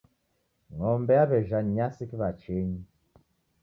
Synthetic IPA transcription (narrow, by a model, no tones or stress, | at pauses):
ŋɔmbɛabɛʒanɲasikiβat͡ʃeɲi